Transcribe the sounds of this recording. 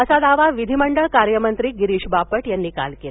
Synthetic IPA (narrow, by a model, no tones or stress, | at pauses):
əsad̪aʋaʋid̪ʱiməɳɖəɭkaɾjəmənt̪ɾiːɡiɾiːɕbapəʈjanːiːka̰lkel